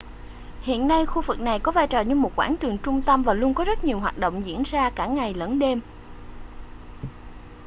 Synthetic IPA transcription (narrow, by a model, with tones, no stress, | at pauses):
hḭ˧˨ənːa˧jxu˧vɨ˨˩k̚na˨˩jkɔ˨˦vaː˧jt͡ɕɔː˨˩ɲɨ˧mo˨˩t̚kwaː˧˥nt͡ɕɨ˨˩əŋt͡ɕʊ˧ŋ͡mt̪ə˧mvaː˨˩lu˧əŋkɔ˨˦zə˦˥t̚ɲi˨˩əwɦaː˨˩t̚ɗo̰˧˨wŋ͡mzḭ˧˥ənzaː˧kaː˧˩ŋa˨˩jləː˨˦nɗe˧m